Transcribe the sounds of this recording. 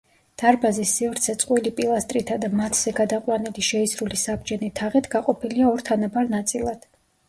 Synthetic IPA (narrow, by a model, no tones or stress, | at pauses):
d̪̥aɾbazisːivɾt̪sʰɛt̪sʼqʼwilipʼilˠast̪ʼɾit̪ʰad̪amat̪ʰz̥ɛɡad̪aqʼwanɛliʃɛisɾulisabd͡ʒɛnit̪ʰaʁɛt̪ʰɡaqʼɔpʰiliaɔɾt̪ʰanabaɾnat̪sʼilˠad̪̥